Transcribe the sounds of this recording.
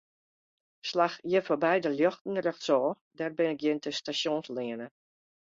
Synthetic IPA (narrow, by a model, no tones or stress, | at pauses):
slaxjəfobɛjdəljɔxtn̩rɛxtsɔː | dɛrbɪnɪk̚jɪntʰəstasjonslɪənə